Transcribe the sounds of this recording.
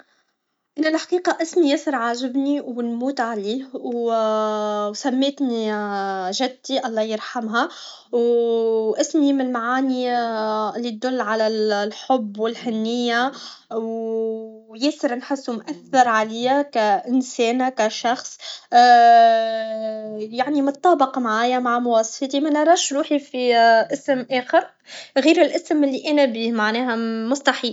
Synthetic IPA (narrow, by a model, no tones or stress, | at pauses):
ʔɪnælħqiːqɑʔɪsmijɪsɪɾʕaːʒɪbniwnmuːt̪ʕaliːw | wsæmːeːt̪ni | ʒɪd̪̚t̪iʔɑlˤːɑːjəɾˤħamɦæ | w | ʔɪsmimnlmaʕaːni | lːit̪̚d̪ʊlːʕalælħobːwɪlhɪnːɪjːa | w | jɛːsɪɾnħɪsːumʔæθːɑɾˤʕalijækæʔɪnsɛːnkæʃɑxsˤ | jaʕnimʊt̪ˤːɑːbɪqmaʕaːjamaʕmʊwɑːsˤɑ̥ft̪imænɑɾˤɑːʃɾuːħifiʔɪsmʔæːxɪɾ | ɣiːɾɪlʔɪsmɪlːiʔæːnæbiːmaʕnɛːɦæmʊst̪ɑħiːl